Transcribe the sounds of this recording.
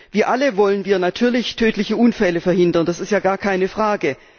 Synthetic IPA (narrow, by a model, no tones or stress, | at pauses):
v̥iːɐʔaləvɔlənviːɐnatʰyːɐlɪçtʰøːtʰlɪçəʔuːnfɛləfɛɐhɪndɐnd̥asɪstjaːɡaːɐkʰaɪnəfʁ̥aːɡə